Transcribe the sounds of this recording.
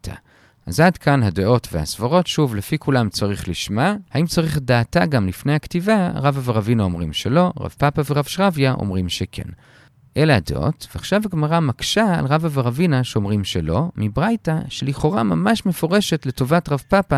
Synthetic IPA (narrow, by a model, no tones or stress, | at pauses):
tʰa̰ | ʔa̰zadkanhadeʔo̞tveha̰sv̥aʁo̞tʃuvlefikulamt͡saʁiχliʃmahaimt͡saʁiχdaːtaɡamlifnejhaktivaʁavaveʁavinaomʁimʃelo̞ʁa̰vpapaveʁavʃʁavjaʔo̰mʁimʃekʰḛn | ʔelaadḛʔo̞̰tv̥eaχʃavaɡmaʁamakʃaa̰lʁavaveʁavinaʃeomʁimʃelo̞mibʁajtaʃeliχo̞ʁama̰maʃme̞fo̞ʁeʃetleto̞vatʁavpapa